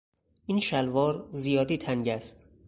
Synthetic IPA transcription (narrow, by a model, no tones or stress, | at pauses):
ʔinʃælvɒːɾzijɒːd̪iːt̪ʰæŋɟæst̪